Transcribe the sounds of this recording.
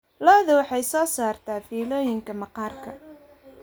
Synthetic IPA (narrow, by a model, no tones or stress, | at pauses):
lɔːðʊwɑħɑjsɔːsaːrt̪ʰaːfiːlɔːjɪŋkʰɐmɑqɑːrkʰɐ